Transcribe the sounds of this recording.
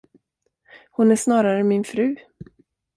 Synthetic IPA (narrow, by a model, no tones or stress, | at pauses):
hʊnæʂnɑːɾaɾəmɪnfɾʉ̟ː